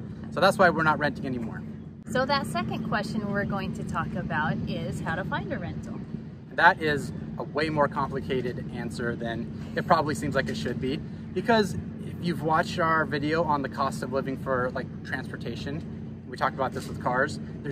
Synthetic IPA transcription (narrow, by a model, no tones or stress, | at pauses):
soʊðætswaɪwɪɹñət̚ɹɛ̃ntɪ̃ŋɛnimɔ̰ɹ | soʊðɨtsɛkɨ̃nkʰw̥ɛst͡ʃɨ̃nwɪɹɡoʊɪ̃ŋtʰɨtʰɔkɨbaʊɾɪz̥haʊɾəfãɪ̃ndɨɹɛ̃ntl̩ˠ | ɨ̃n̩ðəɾɪzʔəweɪmɔɹkʰɑ̃mplɨkʰeɪɾɨɾæ̃nsə˞ðɨ̃n | ɨt̚pʰɹ̥ɑbəblisĩmzlaɪkɨtʃɨd̚bi | b̥ɨkʰʌz | ɪfjʉvwɑt͡ʃtaə˞vɪɾioʊə̃nðɨkʰɔstʌvlɪvɪ̃ŋfə˞laɪk̚tʰɹ̥æ̃nspə˞tʰeɪʃɨ̃n | nwitʰɔk̚təbaʊt̪̚ðɪswəð̥kʰɑɹz̥